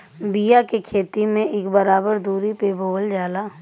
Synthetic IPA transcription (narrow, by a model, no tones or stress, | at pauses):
bijakekʰeːt̪imẽʔɪkbəɾaːbəɾd̪uːɾipeːboːəld͡ʒaːla